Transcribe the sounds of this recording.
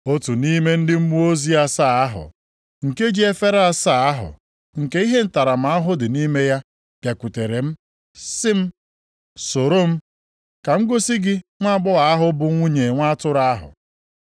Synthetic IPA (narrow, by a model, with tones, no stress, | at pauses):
o˦tu˨ni˦me˦n̩˦dɪ˦m̩˦mu˦o˦zi˦a˦saː˦˨a˦ɦʊ̰˨ | ŋ̩˨ke˦d͡ʒi˦e˦fe˦ɾa˦sa˦˨a˦ɦʊ̰˨ | ŋ̩˨ke˦i˦ɦe˦n̩˦ta˨ɾa˨m̩˨a˦ɦʊ˦dɪ˨ni˦me˦ja˦ | b̥ja˨ku˨te˨ɾe˨m̩˦ | sɪ˦m̩˦ | so˨ɾo˦m̩˦ | ka˨ŋ̩˦ɡo˦si˦ɡɪ˦ŋʷa˦ɡ͡bʊ˦ɣa˨a˦ɦʊ˦bʊ˨ŋʷu˦ɲe˨ŋʷa˦tʊ˦ɾaa˦ɦʊ̰˨